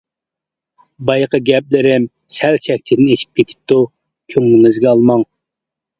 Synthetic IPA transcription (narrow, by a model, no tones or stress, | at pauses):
bɑjqəɡʲɛp̚lɪɾɪm | sɛlt͡ʃʰɛkʲt̪ʰɪd̪ɪnet͡ʃʰi̥p̚kʲʰet̪ʰɪ̥p̚t̪u | kʲʰøŋlɪnɪzɡʲɛɑlˠmɑŋ